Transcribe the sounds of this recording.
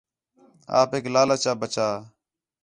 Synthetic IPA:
a̰ːpeːklaːlaːt͡ʃaːbət͡ʃaː

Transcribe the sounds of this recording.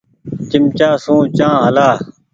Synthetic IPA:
t͡ʃɪmt͡ɕaːsũːt͡ɕãːɦəlaː

